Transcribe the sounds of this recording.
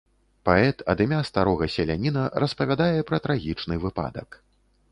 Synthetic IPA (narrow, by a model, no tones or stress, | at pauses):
paɛt̪ɐd̪ɨmʲast̪aɾɔɣɐsʲɛlʲanʲinɐɾɐspɐvʲad̪ajɛpɾɐt̪ɾaɣʲit͡ʂnɨvɨpa̰d̪ɐk